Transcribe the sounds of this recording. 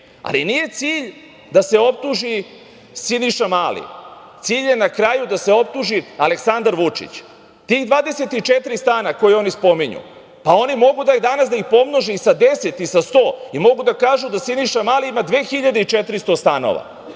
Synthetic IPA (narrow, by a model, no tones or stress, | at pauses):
a̰linije̞t̪siːʎ | d̪ase̞o̞p̚t̪uʒi | siniʃamaːlḭt̪siːʎje̞nakɾaːjud̪ase̞o̞p̚t̪uʒiale̞ksand̪aɾʋut͡ʂḭt͡ɕ | t̪iːɣd̪ʋaːd̪e̞set̪it͡ʃet̪ɾist̪aːnako̞jio̞nispo̞miɲṵ | pao̞nimo̞ɡud̪aid̪anasd̪aixpo̞mnoʒeisad̪e̞se̞t̪isast̪o̞ːimo̞ɡud̪akaːʒud̪asiniʃamaːliimad̪ʋeːxiʎad̪eit͡ʃet̪ɾist̪o̞st̪ano̰ʋa̰